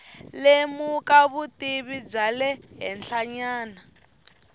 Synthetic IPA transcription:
lemukaβutiβib͡ʐalɛɦɛnɬʰaɲaːna

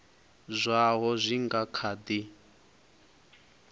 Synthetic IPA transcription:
zʷaɦɔzʷiŋɡakʰad̪i

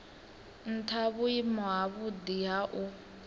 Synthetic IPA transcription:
n̩tʰaβuimɔɦaβudiɦaʔu

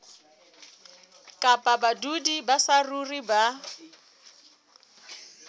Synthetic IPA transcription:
kʼapʼabadudibasaruriba

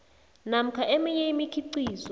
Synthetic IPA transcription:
nam̩kʰaʔemijeimikʰiǀiːzɔ

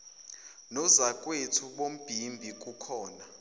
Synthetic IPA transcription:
nɔzakʼwetʰuɓom̩b̥ʱimbʱik̬ʼukʰɔːna

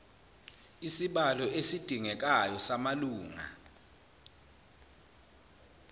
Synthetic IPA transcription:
isiɓalɔesid̥ʱiŋɛk̬ajɔsamaluːŋa̰

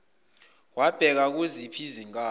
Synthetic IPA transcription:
wab̥ʱɛk̬ak̬uzipʰiziŋaː

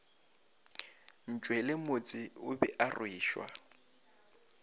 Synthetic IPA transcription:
n̩t͡ʃʼwɛlɪmot͡sʼɪʊbɛʔarwiːʃwa̰

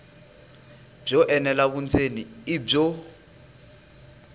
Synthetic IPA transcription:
b͡ʐɔʔɛnɛlaβunt͡sʰeniib͡ʐɔ

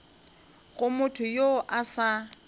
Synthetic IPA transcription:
ɣʊmʊtʰʊjoʔasa

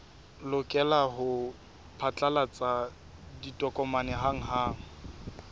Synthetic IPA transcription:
lʊkʼɛlaɦʊ | pʰat͡ɬʼalat͡sʼa | ditʼɔkʼɔmanɛɦaŋ̩ɦaːŋ̩

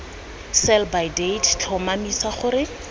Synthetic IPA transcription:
sɛlbajdedt͡ɬʰɔmamisaχʊɾɪ

